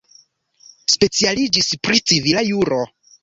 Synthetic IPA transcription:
spe̞t͡sialid͡ʒispɾit͡sivilajuɾo̞

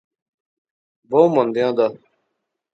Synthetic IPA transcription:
boːmɐnd̪ejãːd̪a

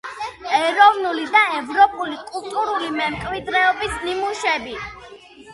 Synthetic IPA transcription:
ɛɾɔvnulid̪aɛvɾɔpʼulikʼulˠt̪ʼuɾulimɛmkʼwid̪ɾɛɔbisnimuʃɛbi

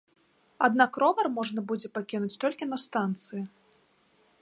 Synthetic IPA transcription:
ad̪nakrɔvɐrmɔʐnɐbud͡zʲɛpakʲinut͡sʲt̪ɔlʲkʲinɐst̪ant̪sɨji

